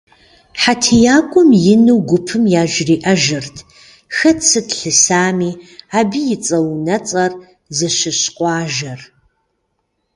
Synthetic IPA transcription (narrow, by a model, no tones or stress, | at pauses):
ħatʰijaːkʷʼʊmjɪnuwɡʷʊpʰɨmjaːʒriːʔɐʒɨrtʰ | xɐtsɨtɬɨsaːmiːaːbijɪt͡sʼɐwnɐt͡sʼɐr | zɨɕɪɕqʷʼɑːʒɐr